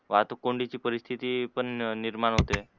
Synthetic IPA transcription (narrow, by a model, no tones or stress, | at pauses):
ʋat̪okoɳɖit͡ʃipəɾist̪ʰit̪ipəɳniɾmanɦot̪e